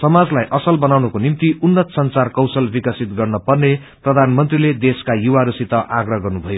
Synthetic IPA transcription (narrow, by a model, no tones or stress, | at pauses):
sʌmad͡zlajʔʌsʌlbʌnawnʌkonimt̪iunːʌt̪sʌnt͡sarkʌwsʌlbikʌsit̪ɡʌrnʌpʌrne | prʌd̪ʱanmʌnt̪riled̪eskajuwaɾusit̪ʌʔaɡrʌɦɡʌrnubʱʌjo